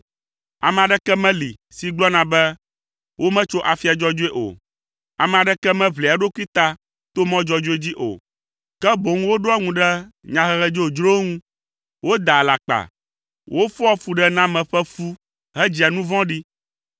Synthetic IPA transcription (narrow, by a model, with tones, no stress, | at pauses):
a̰˨mɛ̃˨a˨ɖɛ˦kɛ˦mɛ̃˦li˨ | si˨ɡ͡blɔ˦nã˨bɛ˦ | wʔo˦mɛ̃˦t͡ʃo˦ʔa˨fi˦a˨d͡ʒɔ˦d͡ʒo˦e˦ʔo̰˨ | a˨mɛ̃˨a˨ɖɛ˦kɛ˦mɛ̃˦βli˨a˨ɖo˦ku˦i˦t̪a˦ | t̪o˦mɔ̃˦d͡ʒɔ˦d͡ʒo˦e˦d͡ʑi˦ʔo̰˨ | kɛ˦bo˨ŋũ˦wo˦ɖo˦a˦ŋũ˨ɖɛ˦ɲã˨ɦɛ˦ɣɛ˦d͡ʒo˦o˨d͡ʒɾo˦ŋũ˦ | wo˦d̪a˨la˨k͡pa̰˨ | wʔo˦fɔ˦ɔ˦fu˨ɖɛ˦nã˦mɛ̃˨ɸɛ˦fu˦ | ɦɛ˦d͡ʑi˨a˨nũ˦vɔ̃˦ɖi˦